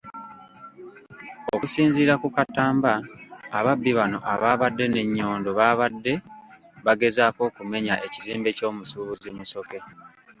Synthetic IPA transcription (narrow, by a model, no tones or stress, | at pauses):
okusiːnziːɾakukatːaːmbaa̰βabːiβano̞̰ʔaβaːβadːe̞ne̞ɲːo̞ːndo̞βaːβadːe̞ | βaɡe̞zaːko̞ːkume̞ɲaʔe̞ciziːmbe̞co̞ːmusuβuzimuso̞ke̞